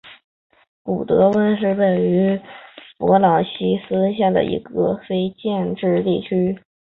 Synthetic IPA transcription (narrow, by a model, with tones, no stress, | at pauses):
ku˨˩t̪ɤ˧˥wə˥nʂ̬ɻ̩˥˩we˨˩ɪy˧˥pwɔ˧˥lɑ˨˩ɕi˥sɹ̩˥ɕjɛ˥˩d̪ə̰˩ʔḭ˧˥ɡə˧fe˥ɪt͡ɕjɛ˥˧nʈ͡ʂɻ̩˥˧t̪i˥˩t͡ɕʰy˥